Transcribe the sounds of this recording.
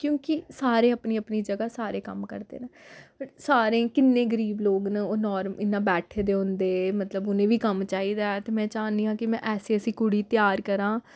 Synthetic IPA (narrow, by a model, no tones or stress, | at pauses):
kjõːkɪsaːɾeːəpniːəpniːd͡ʒəɡaːsaːɾeːkə̰mkə̰ɾd̪ḛːnəpəʈsaːɾẽːkɪnːẽːɡəɾiːbloːɡnəoːnɔːɾmɪnːãːbɛːʈʰeːd̪eːɦʊ̃nd̪eːmət̪ləbʊnẽːʋiːkəmt͡ʃaːiːd̪ɛːt̪eːmɛ̃ːt͡ʃaːnd̪iːɦãːkɪmɛ̃ːʔɛːseːəsĩːkʊɽiːt̪jaːɾkəɾãː